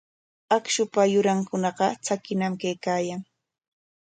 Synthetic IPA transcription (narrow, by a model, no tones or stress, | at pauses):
akʃʊpajʊɾaŋkʊnɑɢɑt͡sakɪnamkajkaːjaŋ